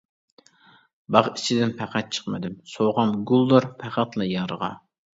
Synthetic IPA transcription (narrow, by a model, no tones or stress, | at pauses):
bɑʁit͡ʃʰid̪ɪnpʰæqæt̪̚t͡ʃʰə̥qmɪ̰d̪ɪmsoʁɑmɡulˠːoɾpʰæqæt̪lˠɑjɑɾəʁɑ̰